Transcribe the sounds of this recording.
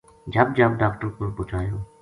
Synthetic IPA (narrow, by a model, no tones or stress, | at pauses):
d͡ʒəb̚d͡ʒɐbɖaːkʈəɾpəɾpʊt͡ʃʰaːjoː